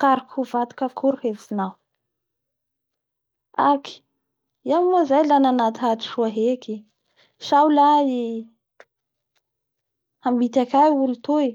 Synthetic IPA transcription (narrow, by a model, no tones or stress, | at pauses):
kaɾikuvat̪u̥kəkʰuɾuhevsinaw | aki̥ | iamozajlananat̪iaʈ͡ʂi̥ʃuaɦeki | ʃawlai | ambit̪akʲajulut̪ui